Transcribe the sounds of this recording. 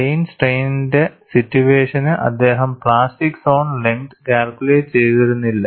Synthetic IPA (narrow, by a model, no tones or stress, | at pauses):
ejnsʈejninde̞sitːjuʋeːʂɐnɨʔɐ̰d̪ːe̞ːɦɐmpɭaːsʈikːsoːnleŋt̪kʲaːlkʲuleːt͡ɕe̞jt̪iɾunːilːɐ